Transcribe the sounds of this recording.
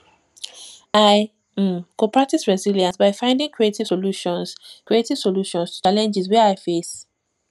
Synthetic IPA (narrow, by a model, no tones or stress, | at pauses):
aɪ | kopʰɹak̚tisɹɛziljãnsbaɪfãɪ̃ndɪ̃ŋkʰɹietivsoluʃɔ̃nskɹietiv̥soluʃɔ̃nstu̥t͡ʃalɛ̃nd͡ʒizwɛaɪfes